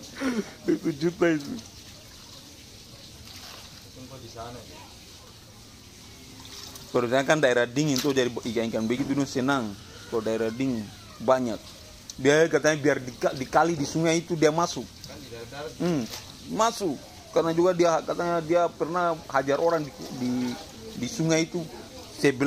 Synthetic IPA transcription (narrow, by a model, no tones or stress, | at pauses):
dɛit̪ud͡ʒut̪ait̪u | pɛɾusaɲakandaɛɾadiŋint̪ɔd͡ʒadiikaiŋkanbɛkit̪̬udɔsɛnaŋ | kadaɛɾadiŋ | baɲak̚ | biakat̪aɲabiardikadikalidisuŋait̪udiamasuk̚ | m̩m | masukː | karnad͡ʒuɡadiakat̪aɲadiapɛrnahad͡ʒaɾʔɔɾaŋdidi | disuŋait̪u | sɛbɛ